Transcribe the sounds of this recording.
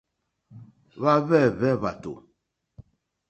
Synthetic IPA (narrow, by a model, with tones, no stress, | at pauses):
βa˦βɛ˦˨βɛ˦βa˨to̰˨